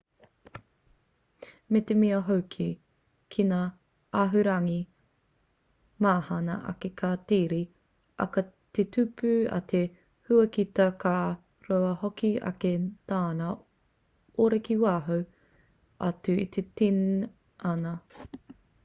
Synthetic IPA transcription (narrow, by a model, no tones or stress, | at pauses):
met̪emiɐɦowkʰi | kʰinaː | aɦʉɾɐŋi | maːhɐnɐ̰ʔɐ̰kekʰaːtiːɾi | ʔɐ̰kɐtetʉpʉɐ̰tʰe | hʉɐkitɐka | ɾowɐhokiɐ̰ketaːnɐ | oɾekiwaːɦow | ɐ̰tʉḭt̪ʰetin | ɐnɐ